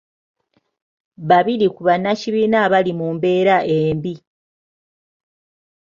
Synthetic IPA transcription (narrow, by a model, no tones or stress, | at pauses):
βaβiɾikuβanːaciβiːnaːβalimuːmbe̞ːɾaʔeːmbi